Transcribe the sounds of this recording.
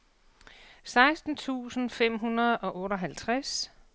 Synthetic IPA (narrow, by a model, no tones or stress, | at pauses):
sɑ̈ɪsd̥n̩t͡sʰṵːsn̩fem̰ɦunɐð̩ˠɒ̽ʔɔ̽ːɾɒ̽ɦælt͡sʰʁas